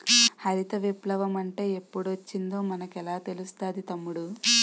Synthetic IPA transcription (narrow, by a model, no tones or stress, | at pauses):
hɐɾit̪ɐʋiplɐʋɐmɐɳʈe̞ːepːuɽuʋɐt͡ʃːind̪o̞ːmɐnɐkɛlaːt̪e̞lust̪aːd̪it̪ɐmːuɽu